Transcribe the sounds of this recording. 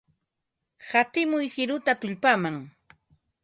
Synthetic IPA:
hat̪ɪmʊjhɪɾʊt̪at̪ʊʎpamaŋ

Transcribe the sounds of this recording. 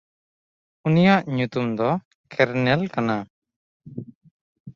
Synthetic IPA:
unijaʔɲut̪umd̪ɔ | kʰɛɾnɛlkana

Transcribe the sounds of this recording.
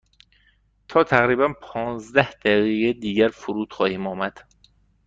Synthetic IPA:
t̪ʰɒːt̪ʰæɣɾiːbænpʰɒːnzd̪æhd̪̥æɣiɣed̪iːɟæɾfuɾuːt̪xɒːhiːmɒːmæd̪̥

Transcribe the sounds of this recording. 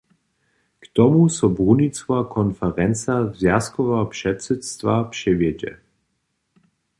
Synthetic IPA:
kt̪ɔmusɔbʁunit͡svakʰɔnfɛɾɛnt͡sazjaskɔvɛɔpʂɛtsɛtst̪vapʂɛvjɛd͡ʒɛ̰

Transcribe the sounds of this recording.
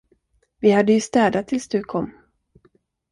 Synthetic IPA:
vɪhad̪ːəjɵst̪ɛːd̪at̪ʰɪlsd̪ɵkʰɔmː

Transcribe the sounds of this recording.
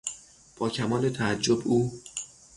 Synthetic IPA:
b̥ɒːcʰæmɒːlet̪ʰææd͡ʒːobʔuː

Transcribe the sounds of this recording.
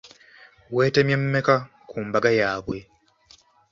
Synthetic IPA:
we̞ːtemjemːe̞ka | kʰuːmbaɡajaːβwe̞

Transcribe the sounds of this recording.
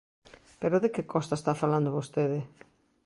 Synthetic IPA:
peɾoðekɪkɔst̪aest̪afaland̪oβost̪eðɪ

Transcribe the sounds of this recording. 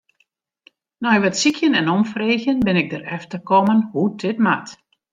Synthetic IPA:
nɔjʋɛtsikʰjənɛnɔmfreːɣjənbɪnɪɡ̚dərɛftərkɔmənhudʰɪtmat

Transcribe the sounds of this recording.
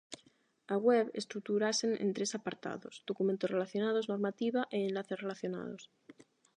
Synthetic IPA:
aɣweβest̪ɾuk̚t̪uɾasenḛnt̪ɾesapaɾt̪a̰ðozd̪okumẽnt̪ore̞laθjo̞nað̞o̞zno̞ɾmat̪iβaʔeːnlaθere̞laθjona̰ð̞os

